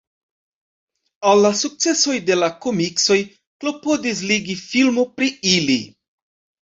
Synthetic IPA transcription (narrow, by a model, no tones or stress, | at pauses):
alːasuk̚t͡se̞so̞jde̞lako̞mikso̞j | klo̞po̞dis̬liɡifilmopɾiilḭ